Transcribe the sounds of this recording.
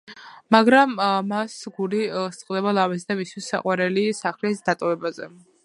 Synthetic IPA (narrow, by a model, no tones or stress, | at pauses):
maɡɾamːasɡulist̪sʼqʼd̪ɛbalˠavɛsd̪amist̪ʰisːa̰qʼwaɾɛlisaχlisd̪at̪ʼɔvɛbazɛ